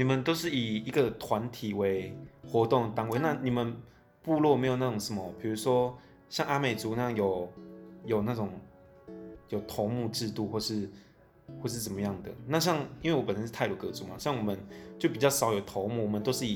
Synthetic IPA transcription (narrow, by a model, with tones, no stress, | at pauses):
ni˨˩mə˨˦nt̪o˥ʊʂɻ̩˥˩i˨˩i˧˥ɡə˨t̪ʰwa˧˦nt̪ʰi˨˩we˧˦ɪxwɔ˧˥t̪ʊ˥˩ŋt̪a˧˥ŋwe˥˩ɪna˥˧ni˨˩mə˦n | pu˥˧lwɔ˥˩me˧˥ɪjo˨˩na˥˩ʊ˨˩ŋʂə˧˦nmə˨pʰi˨˩ɻu˧˥ʂwɔ˥ | ɕjɑ˥˧ŋa˥me˨˩t͡su˧˥˦na˥˧jɑ˥˩jo˨˩ʊjo˨˩ʊna˥˩ʈ͡ʂʊ˨˩ŋ | jo˨˩ʊt̪ʰo˧˥mu˥˧ʈ͡ʂɻ̩˥˧t̪u˥˧xwɔ˥˩ʂɻ̩˥˧ | xwɔ˥˧ʂɻ̩˥˩t͡sə˨˩mə˦jɑ˥˩ŋd̪ə̰˩na˥˧ɕ̬jɑ˥˩ŋi˥nwe˥˩wɔ˧˥pə˨n˩ə˦˥ʂ̩˥t̪ʰa˥˧ɪlu˧˥˩kɤ˧˥t͡su˨˦ma̰˨˩ɕjɑ˥˩ŋwɔ˨˩mə˦nt͡ɕjo˥˩ʊpi˨˩t͡ɕjɑ˥˩ʊʂɑ˨˦ʊjo˨˩ʊt̪ʰɔ˧˥ʊmu˥˩wɔ˨˩mə˨˦t̪o˥ʊʂɻ̩˥˩i˨˩